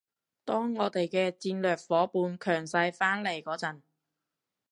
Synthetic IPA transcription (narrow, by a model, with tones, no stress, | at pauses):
t̪ɔː˥ŋːɔː˨˧t̪e˨jkɛː˧t͡siː˧nlœː˨k̚fɔː˨˥puː˨˧nkʰœː˨˩ŋsɐ˧jfaː˥nle˨˩jkɔː˨˧˥t͡sɐ˨˩n